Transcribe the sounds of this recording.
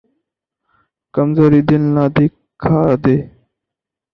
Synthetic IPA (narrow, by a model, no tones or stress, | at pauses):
kəmzoːɾiːd̪ɪnlaːd̪eː | kʰːaːd̪eː